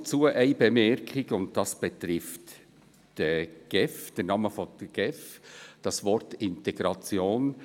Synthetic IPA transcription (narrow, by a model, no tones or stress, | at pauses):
t͡suːəʔæɪbɛmɛɾkʰχɪɡʊnt̚tɑsb̥ɛtɾɪft | d̥əɡ̥ɛfd̥ɛɾnɑːməfɔ̥ɡ̥ɛfd̥ɑsvɔɾtɪntɛɡɾɑt͡sjoːn